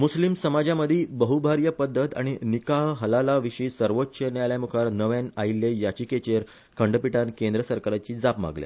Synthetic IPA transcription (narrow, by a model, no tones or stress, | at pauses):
muslimsəmad͡ʑaməd̪ʱibəɦubʱaɾjəpəd̪ʱːət̪a̰ɽ̃inikaɦɦəlalaʋiʂiːsəɾʋot̪ːɕənjaljamukʰaɾnəʋanailːejat͡ɕiːket͡ɕeɾ | kʰəɳɖəpiʈankend̪ɾəsəɾkaɾat͡ɕiːd͡zapma̰ɡlḛ